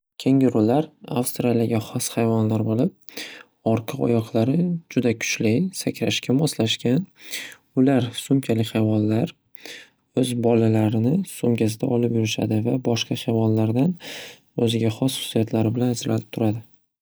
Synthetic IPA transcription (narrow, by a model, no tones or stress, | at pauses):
kʲʰeŋʲɪɾʊlaɾa̰fst̪ɾalaɡʲaχɒshajvɒnlaɾbolˠɪp̚ | ɒɾqʰɨɒ̰jɒqlˠaɾɪd͡ʒʊd̪akʰʊ̥t͡ʃlajsakʲɾaʃkʲamɒslaʃkʲan | ʊlaɾsʊmkʲʰalɪχajvɒnlaɾ | ɵzbɒlalaɾɪnɪsʊmkʲasɪd̪a̰ʔɒlɪpjʊɾɪʃa̰d̪ɪvabɒʃqɑhajvɒnlaɾd̪an | ɵzɪɡʲaχɒsχʊ̥sijat̪ʰlaɾɪbɪlanazlalɪp̚t̪ʰʊɾad̪ɪ